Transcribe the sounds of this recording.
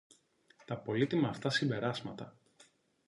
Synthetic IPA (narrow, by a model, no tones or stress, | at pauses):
t̪ɐpo̞lit̪imɐːft̪ɐsimbe̞ɾɐzmɐt̪ɐ